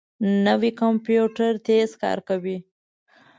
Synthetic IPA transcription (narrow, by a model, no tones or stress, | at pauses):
nəwikampjuʈaɾt̪ezkɑ̰ɾkawi